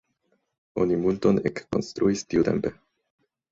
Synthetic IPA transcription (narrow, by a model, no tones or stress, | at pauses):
o̞nimultonekːo̞̰nst̪ɾʔuistiut̪e̞̰mpe̞